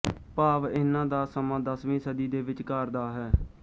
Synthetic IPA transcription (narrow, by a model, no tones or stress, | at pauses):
paːʋɪnːãːd̪aːsəmãːd̪əsʋĩːsəd̪iːd̪eːʋɪt͡ʃkəɾd̪aːɦɛː